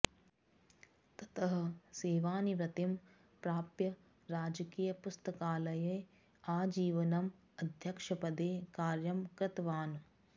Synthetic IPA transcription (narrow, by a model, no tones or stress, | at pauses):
t̪ɐ̥t̪ɐɦɐ̆seːʋaːniʋɾɐt̪im | pɾaːpjɐ | ɾaːd͡ʒɐkiːjɐpust̪ɐkaːlɐjeː | aːd͡ʒiːʋɐnɐm | ɐd̪ʱjɐkʂɐpɐd̪eːkaːɾjɐmkɾɐt̪ʋaːnu